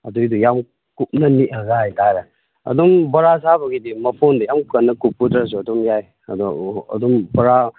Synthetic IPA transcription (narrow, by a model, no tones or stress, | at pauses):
ɐdujdujam | kup̚nɐniʔɐɡaɦajtaɾɐ | ɐ̰dɔmbɐɾasabɐɡidimɐpʰondɐjamkɐnːɐkup̚ːudɾas̬uɐdɔmjaj | ɐ̰dɔɐ̰dɔmbɐɾa